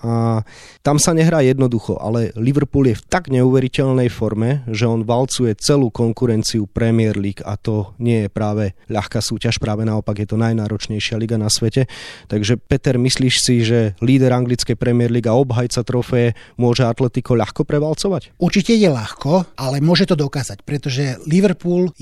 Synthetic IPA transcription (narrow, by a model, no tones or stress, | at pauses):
a | t̪amsaɲɛɦɾaːjɛd̪nɔd̪uxɔ̰ʔa̰lɛliʋɾ̩puːljɛft̪aɡɲɛuːʋɛɾicɛʎnɛjfɔɾmɛʒɛɔnʋalt͡sujɛt͡sɛluːkɔŋkuɾɛnt͡siupɾɛmɪɛɾliːka̰t̪ɔɲɪɛjɛpɾaːʋɛʎaxkaːsuːcaʃpɾaːʋɛnaɔpaɡjɛt̪ɔnajnaːɾɔt͡ʃɲɛjʃɪaliɡanasʋɛcɛt̪aɡʒɛpɛt̪ɛɾmisliːʃsiʒɛliːd̪ɛɾaŋɡlit͡skɛjpɾɛmɪɛɾliːɡaɔbɦajt͡sat̪ɾɔfɛɛmʊɔʒɛat̪lɛt̪ikɔʎaxkɔpɾɛʋalt͡sɔʋacuɾt͡ʃicɛjɛʎaxkɔalɛmʊɔʒɛt̪ɔd̪ɔkaːzacpɾɛt̪ɔʒɛliʋɛɾpuːl